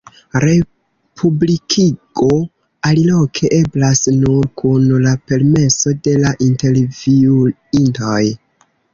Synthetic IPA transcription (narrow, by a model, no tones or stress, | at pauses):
ɾe̞ | pʰublikʰiɡ̥o̞ | alilo̞kʰe̞ʔe̞blasnuɾkʰunlape̞ɾme̞so̞de̞laʔinte̞ɾviu | intoj